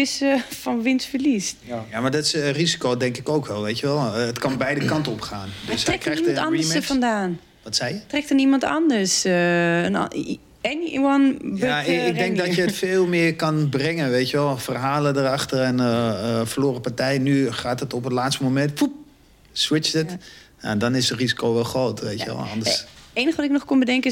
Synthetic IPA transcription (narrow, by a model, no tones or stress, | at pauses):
ɪsəfɔnʋɪnsfərlistjamaɹdɔtsrizi̥kodɛŋkɪkowkʋɛlˠʋejtəʋɛlˠətkɑnbɛjdəkɑntɔpχaːndøsrɛkɛimɑndəsəfɔndaːn | ʋɔtsɛjjətrɛk̚tənimɑntɑ̰ndərs | n̰ | ɛniʔwɔnbaɪɡ̚dɛŋk̚dɔtjətfeːlˠmɪːərkɑnbrɛŋənʋeːtjəʋɛlˠfərɦaːlədərɑxtərɛnəfərloːrəpartɛjnyχaːtətɔpətlaːtstəmomɛntfup̚ | swɪt͡ʃətja̰dɔnɪsərizi̥kowʋɛlˠxroːtʋejtjəʋɛ̰lˠɔ̰ndəseːnəxəʋɔtɪknɔxkombədɛŋkə